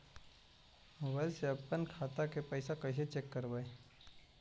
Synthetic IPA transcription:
ʋəlseɐpːənkʰaːt̪akepəɪsakəɪs̬et͡ʃeːkːəɾbaːe

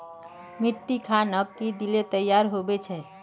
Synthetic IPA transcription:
miʈːikʰanəkːid̪ilet̪əjaɾɦobɛt͡ʃʰɛ

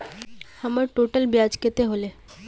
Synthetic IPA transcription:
həməɾʈoːʈəlbjaːd͡ʒket̪eɦoːle

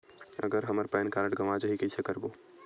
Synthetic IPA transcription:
ə̰ɡəɾɦəməɾpɛnkaɾəʈɡəmad͡ʒəɦikəjsʰɛkəɾbo

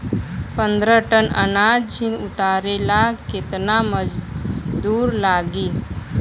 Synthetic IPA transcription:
pə̃nd̪ɾəʈənə̰nad͡ʒinut̪aɾelaket̪naməd͡ʒd̪uːɾlaɡiː

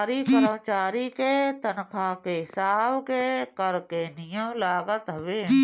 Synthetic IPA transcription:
ɾikəɾmt͡ʃaːɾiket̪ənkʰakeɦɪsaːbkekəɾkenɪjə̃mlaːɡət̪ɦɐʋeː

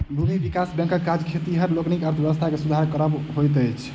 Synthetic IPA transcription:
lubibikasbɛ̃ŋkəkːad͡ʒkʰet̪iɦəɾloknikəɾt̪ʰbjebəst̪ʰakesud̪ʱaɾkəɾəbɦojt̪əjt͡ʃʰ

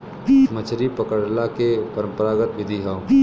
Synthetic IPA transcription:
mət͡ʃʰɾipɐkəɽlakepɐɾə̃mpəɾaːɡət̪ʋɪd̪ʱiɦɐ̃

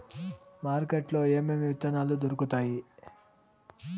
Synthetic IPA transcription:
maːɾkeʈlo̞ːeːmemiʋit̪ɐnaːlud̪oɾukut̪aːji

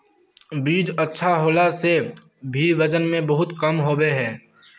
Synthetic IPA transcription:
biːd͡ʒɐtːʃʰaɦoːlase | bʱiʋɐd͡ʒənmẽbɐɦʊt̪kɐmɦoːbeɦɛː

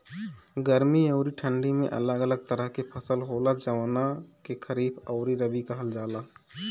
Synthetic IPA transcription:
ɡəɾmiəʊɾiʈʰəɳɖimḛ̃ʔə̰ləɡələɡ̚t̪əɾəɦkepʰəsəlɦoləd͡ʒəʋnakekʰəɾiːbəʊɾiɾəbikəɦəld͡ʒaːla

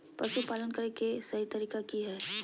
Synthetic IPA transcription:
pɾɐʃupaːlənkəɾekesɐɦit̪ɐɾiːkakiɦɛː

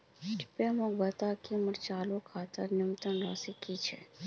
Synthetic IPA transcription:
ʈi̥pemõbət̪akiməɾt͡ʃalukʰat̪əɾnɪmt̪ənɾə̰sikit͡ʃʰḛ

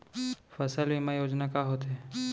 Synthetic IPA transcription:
fʰəsəlʋimãjoːd͡ʒnakaɦoːt̪ɦe

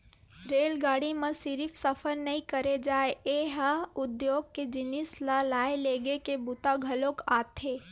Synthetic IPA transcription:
ɾeːlɡaːɽimə̃sɪɾipʰsəfʰəɾnəĩkəɾed͡ʒaːeeːɦəʊd̪joːɡ̚ked͡ʒɪnɪslalaːeleːɡekebʊt̪aɡʱəlokaːt̪ʰeː

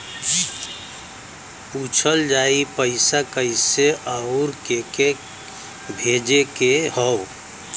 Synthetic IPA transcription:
ut͡ʃʰəld͡ʒaipəɪsakəɪseʔəʊɾkeke | bʱed͡ʒekeɦəʊ

